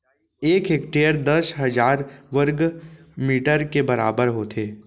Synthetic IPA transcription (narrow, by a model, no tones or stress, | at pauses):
eːkɦeːkʈejəɾd̪ɐsɦɐd͡ʒaːɾʋəɾɡmiːʈəɾkebɐɾaːbəɾɦoːt̪ʰeː